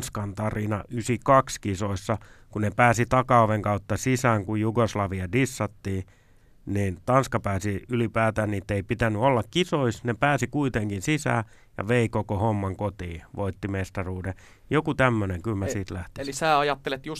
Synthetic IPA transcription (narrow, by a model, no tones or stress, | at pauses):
skɑnt̪ɑrinɑ̰ʔysikɑkskisoisːɑkunepæːsit̪ɑkɑoʋeŋkɑut̪ːɑsisæːŋkujjuɡoslɑʋiɑdisːɑt̪ːiː | niːnt̪ɑnskɑpæːsiylipæːt̪æːnniːt̪ːeipit̪ænːyolːɑkkisoisnepæːsikuit̪eŋkinsisæ̰ː | jɑ̰ʋeikokohomːɑŋkot̪iːʋoit̪ːimest̪ɑruːde | jokut̪æmːøneŋkylmæsiːt̪læht̪ilisæːɑjɑt̪ːelet̪jus